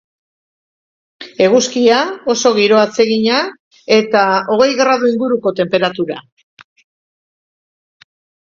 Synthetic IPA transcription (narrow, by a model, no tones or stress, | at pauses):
e̞ɣuskiao̞so̞ɣ̞iɾo̞at͡se̞ɣiɲa | e̞t̪ao̞ɣ̞e̞jɣɾað̞uiŋɡuɾuko̞t̪e̞mpe̞ɾat̪uɾa̰